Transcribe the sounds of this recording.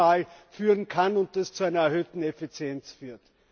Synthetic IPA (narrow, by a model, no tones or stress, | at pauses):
aːlfyːʁənkʰanʊnt̚d̥ast͡suæɪnɐɛɐɦøːtn̩efit͡sjɛnt͡sfyːɐt